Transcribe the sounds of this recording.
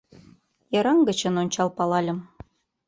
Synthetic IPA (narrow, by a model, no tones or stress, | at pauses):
jɤɾɑŋɡə̆t͡ɕə̆nonʲt͡ɕɑlˠpɑlɑlʲə̆m